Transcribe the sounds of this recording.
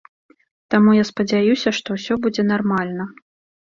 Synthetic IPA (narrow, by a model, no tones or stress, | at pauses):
t̪amujaspɐd͡zʲajusʲɐʂt̪ɔwsʲɔbud͡zʲɛn̪armalʲnɐ